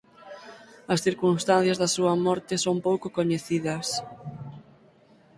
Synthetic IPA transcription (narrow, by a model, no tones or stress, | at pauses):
ɐsθiɾkunst̪anθjɐzðɐsuɐmɔɾt̪ɪsompowkʊkoɲeθiðɐs